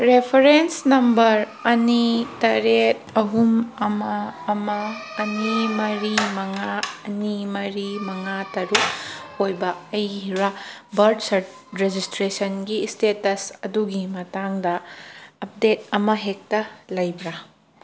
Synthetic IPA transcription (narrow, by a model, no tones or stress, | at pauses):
ɾepʰɐɾensnɐmbɐɾ | ɐnitɐɾet̚ɐɦumɐmɐːmɐːnimɐɾimɐŋaɐnimɐɾimɐŋatɐɾuk̚ːojbɐɐjɦiɾabɐɾdsɐɾt | ɾed͡ʒistɾesɐnɡistetɐsɐduɡimɐtaŋdɐː | p̚det̚ɐmɐɦek̚tɐlɐjbɾa